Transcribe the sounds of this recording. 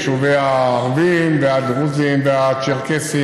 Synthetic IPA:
ʃuveahvimveadʁuzimveat͡ʃeʁkesi

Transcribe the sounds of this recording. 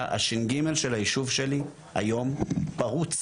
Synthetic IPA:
a̰ʃinɡime̞lʃelajiʃuvʃe̞li | a̰jo̞mpaʁut͡s

